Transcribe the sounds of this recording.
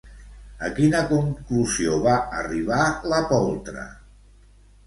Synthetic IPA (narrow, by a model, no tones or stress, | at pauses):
əkinəkuŋkluzioβaəriβ̞aləpɔlˠt̪ɾə̰